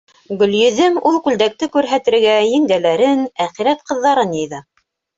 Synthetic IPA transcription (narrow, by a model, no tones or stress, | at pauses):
ɡɵ̆ljɵ̆ðɘmulˠkʉld̪æk̚t̪ɘkʉɾɦæt̪ɘ̆ɾɡæjɘ̆ŋd̪ælæɾɘnæχiɾæt̪̚qɤ̆ðːɑɾɤnjɤ̆jðɤ